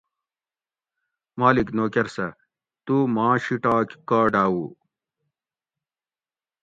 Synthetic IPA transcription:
maːliknoːkɐɾsɐ | t̪uːmãːɕiʈaːkkaːɖaːwuː

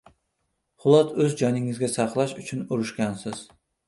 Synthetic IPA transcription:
χʊlˠɑt̪ʰɵzd͡ʒɒnɪŋɪzɡʲasɑqlˠaʃʊt͡ʃʰʊnʊɾʊʃkʲansɪz̥

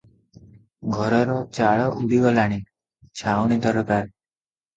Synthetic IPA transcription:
ɡʱɔɾɔɾɔt͡ʃaɭɔʔubʱiɡɔlaɽ̃i | t͡ʃʰawñid̪ʱʌɾɔpaɾ

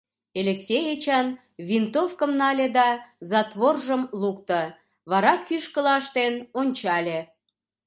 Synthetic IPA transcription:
elʲeksʲejet͡ɕɑn | βʲint̪ofkəmnɑlʲed̪ɑzɑt̪βorʒəmlukt̪ə | βɑɾɑkːyʃkəlɑʃt̪enonʲt͡ɕɑlʲe

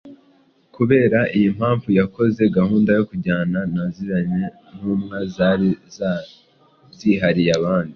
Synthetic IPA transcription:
kuβe̞ːɾaʔijim̥haːɱvujako̞ze̞ɡahuːndajo̞kuɟaːnanaziɾaɲe | n̥uːmŋazaɾiz | ziɦaɾijaβaːndi

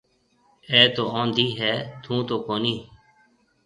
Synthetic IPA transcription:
eːt̪oːãːnd̪iːɦɛːt̪ʰũːt̪oːkoːniː

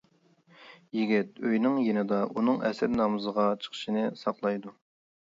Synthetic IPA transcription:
jiɡʲɪt̪̚øjnɪŋjenɪd̪ɑʔunɨŋɛ̰sɪɾnɑmɨzəʁɑt͡ʃʰə̥χʰə̥ʃinɨsɑqlˠɑjd̪u

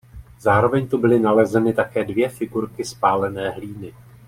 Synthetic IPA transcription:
zaːɾo̞vɛɲt̪ubɪlɪnalɛzɛnɪt̪akɛːdvjɛfɪɡuɾkɪspaːlɛnɛːɦliːnɪ

